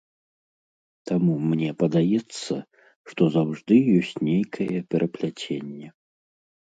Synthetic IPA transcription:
t̪amumnʲɛpɐd̪ajɛt̪sːɐ | ʂt̪ɔzawʐd̪ɨjɔsʲt͡sʲnʲejkʰɐjɛpʲɛɾʔɐplʲat͡sʲenʲːɛ

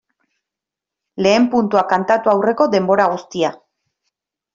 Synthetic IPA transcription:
le̞ːmpunt̪uakant̪at̪uawre̞ko̞ðe̞mbo̞ɾaɣ̞ust̪ia

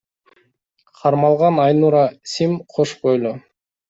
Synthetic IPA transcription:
qʰɑɾmɑlˠʁɑnɑjnuɾɑsʲimqʰoʃqojlˠo

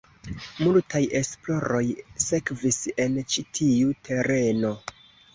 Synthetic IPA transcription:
multʰajʔe̞splo̞ɾo̞jse̞kvise̞nt͡ʃitʰiutʰe̞ɾe̞no̞

